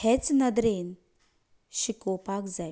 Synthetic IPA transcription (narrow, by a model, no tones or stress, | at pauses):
het͡snəd̪ɾen | ʃikopakd͡za